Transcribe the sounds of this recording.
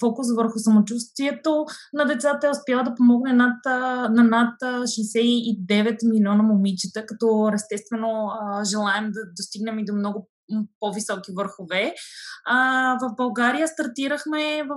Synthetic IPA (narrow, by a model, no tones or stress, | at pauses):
fɔkʊsvəɾxʊsɐmot͡ʃust̪viɛt̪onɐd̪ɛt̪sat̪əɛʊspjalˠəd̪ɐpomɔɡnɛnat̪nɐnat̪ʃɛsɛid̪ɛvɛt̪milʲiɔnɐmomit͡ʃit̪əkɐt̪ɔɛst̪ɛst̪vɛnoəʒɛlˠaɛmd̪ɐd̪ost̪iɡnɛmid̪omnɔɡʊ | povisɔkivəɾxovɛ | vɐfbɐlˠɡaɾijəst̪ɐɾt̪iɾəxmɛvɐ